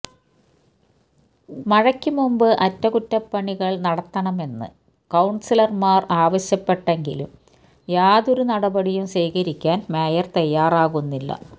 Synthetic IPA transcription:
mɐɻɐkʲːumumbɨʔɐtːɐkutːɐpːɐɳiɣɐɭnɐɽɐt̪ːɐɳɐme̞nːɨ̰ | kɐwɳsilɐrmaːraːʋɐɕjɐpːeʈːeŋɡilṵm | jaːðoɾunɐɽɐbɐɽijumɕeːkɐɾikʲːaːnmeːjɐrt̪ɐjːaːraːɣunːilːɐ̰

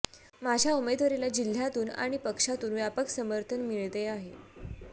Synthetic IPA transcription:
mad͡ʑʱjaumed̪ʋəɾelad͡ʑil̤ːjat̪uːna̰ɽ̃ipəkʂat̪uːnʋjapəksəməɾt̪ʰənmiɭt̪eaɦe

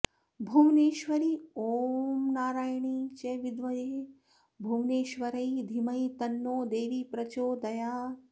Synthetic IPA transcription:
bʱuʋneːʃʋɐɾioːmnaːɾaːjɳit͡ʃeʋid̪ʋɐjeː | bʱuʋneːʃʋɐɾɐjd̪ʱimɐjt̪ɐnːoːd̪eːʋiːpɾɐt͡ʃoːd̪ɐjaː

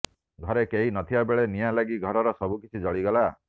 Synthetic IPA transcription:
ɡʱɔɾekeɦinɔt̪ʰibabeɭenijalaɡiɡʱɔɾɔɾɔsɔbʱukit͡ʃʰid͡ʒɔɭiɡɔla

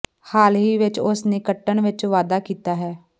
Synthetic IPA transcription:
haːlɦiːʋɪt͡ʃʊsneːkəʈːəɳʋɪt͡ʃʋaːd̪aːkiːt̪aːɦɛː

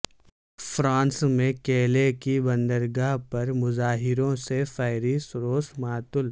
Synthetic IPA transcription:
fɾãːnsmẽkeːlekibɐ̃nd̪əɾɡaːɦpɐɾmʊzaːɦɪɾõsefɛːɪɾisʊɾoːsmaːt̪ʊl

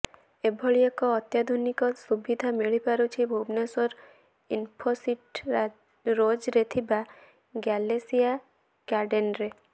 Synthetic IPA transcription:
ebʱɔɭiekɔːt̪jad̪ʱunikɔsubid̪ʱameɭipaɾut͡ʃʰibʱobnesɔɾ | inpʰɔsiʈ | ɾod͡ʒɾet̪ʰiba | ɡɛlesia | kaɾɖenɾe

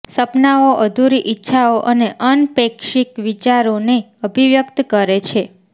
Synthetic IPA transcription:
səpnaoʔəd̪ʱuɾiʔɪtːʃʰaoʔəneʔənpekʃikʋit͡ʃaɾone | əbʱiʋjəkt̪kəɾet͡ʃʰe

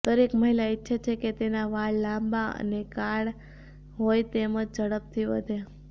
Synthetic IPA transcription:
d̪̥əɾekməɦilaɪtːʃʰat͡ʃʰeket̪enaʋaɭlãmbaə̰nekaɭ | ɦojt̪eməd͡ʒd͡ʒəɽəp̚t̪ʰiʋə̰d̪ʱe

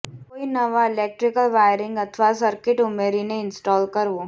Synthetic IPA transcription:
koːinɐʋaɪleːk̚ʈɾɪkəlʋaːjɾɪ̃ŋɡɐt̪ʰʋasɐɾkɪʈʊmeːɾineɪ̃nsʈɔːlkɐɾʋoː

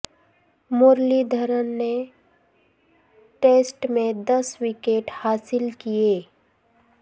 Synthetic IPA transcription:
moːɾlid̪ʱəɾənne | ʈeːsʈmẽd̪ɐswikeːʈhaːsɪlkijeː

